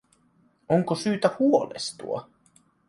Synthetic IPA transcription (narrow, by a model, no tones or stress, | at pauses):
oŋkosyːt̪æhuolḛst̪ṵɑ̰